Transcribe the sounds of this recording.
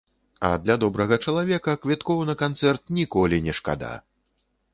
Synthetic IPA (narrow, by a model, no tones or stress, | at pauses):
ɐ̰d̪lʲad̪ɔbɾɐɣɐt͡ʂɐlˠavʲɛkɐkvʲit̪kɔwnɐkant̪sɛrt̪̚nʲikɔlʲinʲɛʂka̰d̪a̰